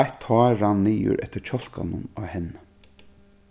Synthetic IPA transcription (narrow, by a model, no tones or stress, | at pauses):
t̪hɔːɾanːiːʊ̰ɾʔɛ̰ht̪əɾt͡ɕʰɔl̥ka̰nʊnaːhɛnːə